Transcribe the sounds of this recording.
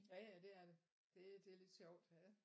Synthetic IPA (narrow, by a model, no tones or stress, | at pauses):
jæjæd̥e̝æɐɾ̥e | d̥e̝d̥e̝æle̝d̥ɕɒʊ̰d̥hæð